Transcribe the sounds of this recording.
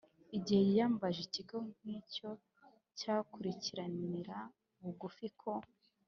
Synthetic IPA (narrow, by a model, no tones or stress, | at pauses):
iɟihe̞jijaːmbaʒeciɡoŋico̞ | caːkuɾiciɾaniɾa | uɡufikʰo